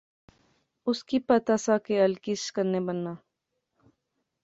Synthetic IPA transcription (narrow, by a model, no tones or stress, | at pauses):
ʊskipɐt̪asakeɐlkɪskəɾnebənːa